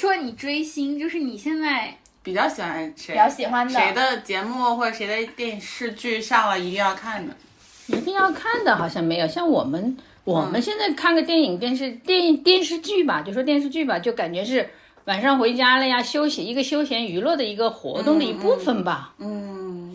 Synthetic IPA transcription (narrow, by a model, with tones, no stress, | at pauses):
ʂwɔ˥ni˨˩ʈ͡ʂwe˥ɪɕi˥ŋt͡ɕjo˥˧ʊʂɻ̩˥˩ni˨˩ɕjɛ˥˧nt͡sa˥˩ɪ | pi˨˩t͡ɕjɑ˥˩ʊɕi˨˩xwa˧˥nʂe˧˥jɑ˥˩ʊɕi˨˩xwa˧˥nd̪e˧˥ɪd̪ə˧t͡ɕjɛ˧˥mu˥˩xwɔ˥˩ʈ͡ʂə˨˩e˧˥ɪd̪ə˧t̪jɛ˥˩˧nʂɻ̩˥˧t͡ɕy˥˧ɕja˥˩lə˨˩i˧˥t̪i˥˧ŋjɑ˥˧ʊkʰa˥˩nd̪ə˩ | i˧˥t̪i˥˧ŋjɑ˥˧ʊkʰa˥˩nd̪ə˩xɑ˨˩ʊɕjɑ˥˩ŋme˧˥ɪjo˨˩ʊɕjɑ˥˩ŋwɔ˨˩mə˦n | wɔ˨˩mə˦nɕjɛ˥˧nt͡sa˥˧ɪkʰa˥˩nɡə˩t̪jɛ˥˩ni˨˩ŋt̪jɛ˥˧nʂ̬ɻ̩˥˧t̪jɛ˥˧ni˧˩ŋt̪jɛ˥˧nʂɻ̩˥˧t͡ɕy˥˩bɐ˨˩t͡ɕjo˥˩˥wɔ˥jɛ˥˧nʂɻ̩˥˧t͡ɕy˥˩bɐ˨˩t͡ɕjo˥˩ʊka˨˩nt͡ɕɥɛ˧˥ʂ̬ɻ̩˥˩ | wa˨˩nʂɑ˥˧ŋxwe˧˥ɪ˥˧t͡ɕja˥lə˥˧˩ja˩ɕjo˥ʊɕi˨˩i˧˥ɡə˧ɕjo˥ʊɕjɛ˧˥ny˧˥lwɔ˥˩d̪ə˩i˧˥ɡə˧xwɔ̰˧˥t̪ʊ˥˩ŋd̪ə˨˩i˧˥pu˥˩fə˩nbɐ˩n̩˥˩